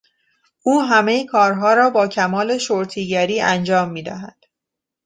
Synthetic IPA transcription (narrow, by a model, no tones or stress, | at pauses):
ʔuːɦæme̞jkʰɒːɾɦɒːɾɒːbɒːcʰæmɒːle̞ʃoɾt̪ʰiːɟæɾiːʔænd͡ʒɒːmːiːd̪æ̰ɦæd̪̥